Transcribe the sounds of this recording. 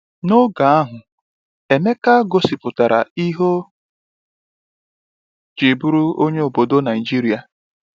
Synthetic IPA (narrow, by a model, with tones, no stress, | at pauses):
no˦ɡa˨a˦ɦʊ˨ | e˨me˦ka˦ɡo˦si˨pʊ˨ta˨ɾa̰˨i˦ɦo˦ | d͡ʒe˨bu˦ɾu˦o˦ɲe˦o˨bo˨do˦na˨i˨d͡ʒi˦ɾi˦a˨